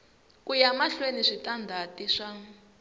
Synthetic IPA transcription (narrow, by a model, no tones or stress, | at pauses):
kujamaɬweniʂitandʱatiʂa